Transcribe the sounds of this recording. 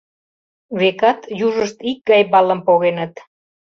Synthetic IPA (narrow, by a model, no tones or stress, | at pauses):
βekɑt̪juʒəʃt̪ik̚ɡɑjbɑləmpoɣenət̪